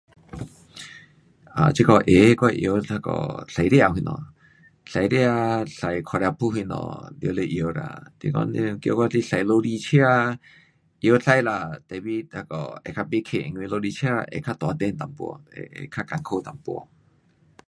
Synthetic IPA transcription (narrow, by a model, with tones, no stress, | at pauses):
a̰˨t͡ʃi˦kɔ˧ʔe˨˦kwa˦˧ʔjo˧˦ta˧kɔ̰˨ɬa˨˧jɾe˧˦a˧˨hi˧nɔ̰̃˨ | ɬa˨jɾe˧a˧ɬa˨jkʰɔ˧˨ɾja˧pʰu˦ɦi˧nɔ̰̃˨d̪jo˧˦le˧ʔjo˧˨ɾa̰˧˨t̪ḭ˧kɔ̰˧˦˧kjo˧kʷa˦t͡ɬi˦ɬa˨jlo˧ɾi˧t͡ʃʰja˦˧ | ʔjo˧˦ɬa˧jla˨t̪ɛ˨bi˦t̪a˧kɔ̰˨e˨kʰa˧be˧˦kʰe˧˨ʔŋwĩ˧lo˧li˧t͡ʃʰja˦˧ʔḛ˨kʰa˦˧t̪wa˨˧d̪e˧˨nt̪a˨mpṵ˧ɔ̰˧ḛ˨ḛ˨kʰa˦ka˨ŋkʰo˦˨t̪a˨mpu˧ɔ̰˧